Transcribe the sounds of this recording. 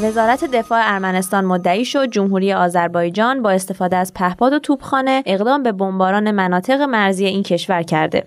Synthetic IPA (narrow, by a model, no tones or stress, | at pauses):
ve̞zɒːɾæt̪ʰe̞d̪e̞fɒːeæɾmæne̞st̪ɒːnmod̪ːæiːʃo̞d̪̚d͡ʒomɦuːɾiːje̞ɒːzæɾbɒːjd͡ʒɒːnbɒːe̞st̪e̞fɒːd̪eæz̥pʰæhpɒːd̪o̞t̪ʰuːb̥xɒːne̞ːɣd̪ɒːmbe̞bo̞mbɒːɾɒːne̞mænɒːt̪ʰe̞ɣemæɾziːjeiːncʰe̞ʃvæɾcʰæɾd̪e̞̰